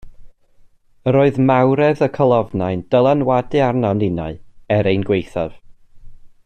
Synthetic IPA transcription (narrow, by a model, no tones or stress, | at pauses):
əɾoːɨðmawɾɛðəkʰəlˠɔvnajnd̥əlˠanwadɨarnawnɪna̰ɨɛɾejnɡwejθav̥